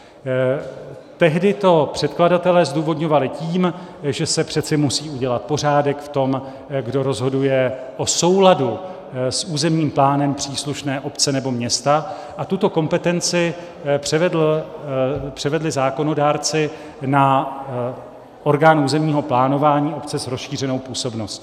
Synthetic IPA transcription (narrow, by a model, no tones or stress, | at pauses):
t̪ɛɦdɪt̪o̞pr̥ɛt̪kladat̪ɛlɛːzduːvo̞dɲo̞valɪciːm | ʒɛsɛpr̝̥ɛt͡sɪmusiːuɟɛlat̪̚po̞r̝aːdɛkft̪o̞m | ɡdo̞ɾo̞zɦo̞dujɛ | ʔo̞so̞wladu | sʔuːzɛmɲiːmplaːnɛmpr̝̥iːsluʃnɛːʔo̞pt͡sɛnɛbo̞mɲɛst̪a | ʔat̪ut̪o̞ko̞mpɛt̪ɛnt͡sɪ̥ | ɛvɛd | pr̝̥ɛvɛdlɪzaːko̞no̞daːɾt͡sɪ | na | ʔo̞ɾɡaːnuːzɛmɲiːɦo̞plaːno̞vaːɲiːo̞pt͡sɛsɾosʃiːr̝ɛno̞wpuːso̞bno̞sc